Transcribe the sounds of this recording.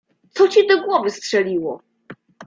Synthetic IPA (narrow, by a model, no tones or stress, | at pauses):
t̪sɔt͡ɕɛd̪ɔɡwɔvɘstʂɛlʲiwɔ